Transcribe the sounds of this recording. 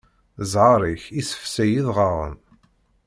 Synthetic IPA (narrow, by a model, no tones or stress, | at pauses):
zʕɑɾˤiçisə̥fsæjiðʁɑʁˤə̰n